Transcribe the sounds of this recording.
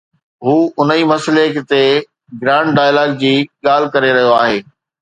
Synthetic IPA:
ɦuːʊnimɐslekt̪e | ɡɾãːɳɖɖaːjlaːɡ̚d͡ʑiːɠaːl̤ɪkɐɾeɾɐɦijoaːɦeː

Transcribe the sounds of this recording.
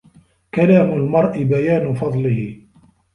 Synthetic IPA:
kalaːmʊlmɑɾˤʔɪbajaːnʊfɑd̪ˤlɪhɪ

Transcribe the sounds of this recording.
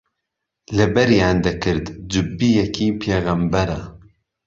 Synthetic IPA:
lɨbɛɾjaːnd̪ɛkʰɨɾd̪d͡ʒɨbːijɛkʰiːpʰeːɣɐmbɛɾɛ

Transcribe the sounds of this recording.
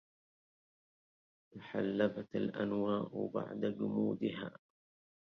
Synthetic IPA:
taħalːabat̪alʔa̰nwaːʔba̰ʕd̪ad͡ʒʊmuːd̪ɪɦa̰ː

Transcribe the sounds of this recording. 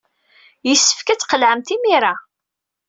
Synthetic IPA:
jəsːə̥fkæt͡sːqəlʕəmt̪imiɾa

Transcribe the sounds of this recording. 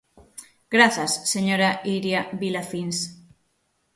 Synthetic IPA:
ɡ̥ɾaθasːeɲoɾaiɾjaβilafins

